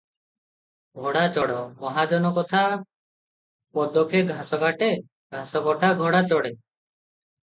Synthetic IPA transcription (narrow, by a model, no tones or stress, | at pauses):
ɡʱɔɽat͡ʃɔɽɔmɔɦad͡ʒɔnɔkɔt̪ʰa | pɔd̪ɔkʰeɡʱasɔɡaʈe | ɡʱasɔɡɔʈaɡʱɔɽat͡ʃɔɽe